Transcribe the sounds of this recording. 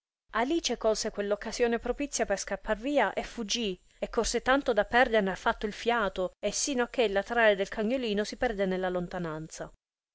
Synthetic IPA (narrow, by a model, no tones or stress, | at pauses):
aliːt͡ʃekolsekwelːokːasjoːnepɾopit̪sːjaperskapːarviːaʔefud͡ʒːi | ekːorset̪ant̪od̪apːɛrd̪erneafːat̪ːoilfjaːt̪oesːiːnoakːelːat̪ɾaːɾed̪elkʰaɲːoliːnosipɛrd̪enelːalont̪anant̪sa